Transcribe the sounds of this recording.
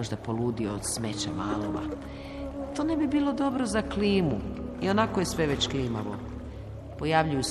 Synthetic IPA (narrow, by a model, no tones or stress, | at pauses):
oʒd̪apo̞luːd̪ioːd̪sme̞t͡ɕamaːloʋa̰ | t̪o̞ne̞bibiːlo̞d̪o̞bɾozakliːmuio̞nakojesʋe̞ʋet͡ɕkliːmaʋo̰ | po̞jaʋʎujus